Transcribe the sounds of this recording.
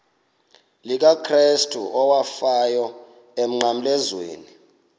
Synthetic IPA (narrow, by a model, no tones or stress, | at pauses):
lik̬akʰristʰʼuʔɔwafajɔ | em̩ŋ͡ǃam̩lɛzwḛːni